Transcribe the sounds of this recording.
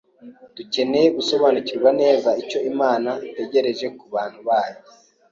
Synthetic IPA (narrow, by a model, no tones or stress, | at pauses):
d̥uce̞nejeɡuso̞βaːnuciɾɡwane̞ːzaico̞imaːnate̞ɟe̞ɾe̞ʒe̞kuβaːn̥huβaːje